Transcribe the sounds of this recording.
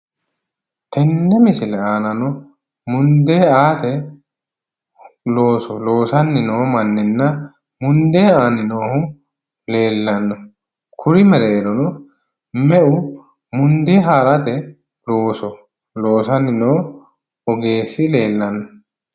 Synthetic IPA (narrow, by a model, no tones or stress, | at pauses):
t̪ɛnːɛmɪsɪlɛaːnɐnɔ | mʊnd̪e̞ːaːt̪ɛ | loːsɔloːsɐnːɪnoːmɐnːɪnːɐ | mʊnd̪eːaːnɪnoːhʊ | le̞ːlːɐnːɔ | kʰʊɾɪmɛɾeːɾɔnɔ | mɛʔʊ | mʊnd̪eːɦaːɾɐt̪ɛ | loːsɔ | lo̞ːsɐnːɪnoː | ɔɡe̞ːsɪle̞ːlːɐnːɔ